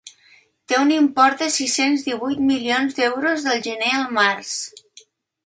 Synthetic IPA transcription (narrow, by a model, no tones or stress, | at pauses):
t̪eunimpɔɾt̪̚d̪əsisenzðiβujt̪milionzd̪ɛwɾozðəlˠʒəneəlˠmaɾs